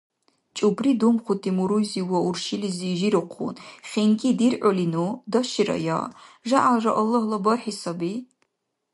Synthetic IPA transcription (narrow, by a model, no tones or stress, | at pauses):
t͡ʃʼubridumχʷʊtʰimuɾuziwɐurʃiliziʒiɾɨqʷʰʊ̰nχʲeŋkʼidirʔɔlinudɐʃiɾɐ̰ja̰ːʒaʔalʒɐʔɐlːɐhlɐbɐrħisɐbi